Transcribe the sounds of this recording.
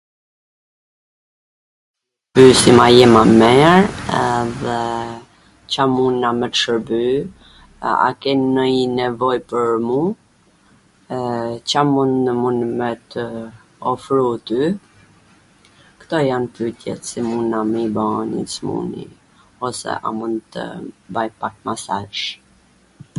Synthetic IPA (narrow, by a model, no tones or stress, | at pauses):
pysimajɛmamɛɾɛðɛ | t͡ɕamunamɛt̪ʃəɾby | a̰kɛnnəinɛvɔjpəɾmu | t͡ɕamund̪nəmunmɛt̪ə | ɔfɾut̪y | kt̪ɔjanpyt̪jɛ̰t̪simunaməbanḭsmṵnḭ | ɔsɛ̰ʔa̰mund̪t̪ə̰bajpak̚masaʒ